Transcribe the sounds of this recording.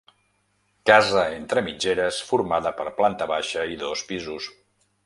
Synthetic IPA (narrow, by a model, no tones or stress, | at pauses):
kazəent̪ɾəmid͡ʒeɾəsfuɾmaðəpəɾplant̪əβaʃəiðospizus